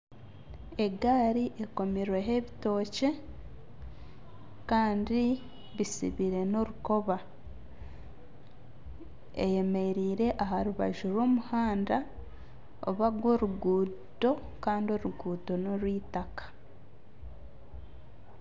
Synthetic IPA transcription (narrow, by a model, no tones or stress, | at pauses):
e̞ɡaːɾiʔe̞ko̞miɾwe̞ɦe̞βito̞ːce̞ | kaːndi | βisḭβiɾe̞no̞ɾuko̞βa | ḛje̞me̞ɾiːɾe̞ʔaɦaɾuβa̰ʒuɾwo̞ːmuhaːnda | o̰βaɡwo̞ɾuɡuːto̞ | kaːndio̞ɾuɡuːto̞no̞ɾwiːtakḁ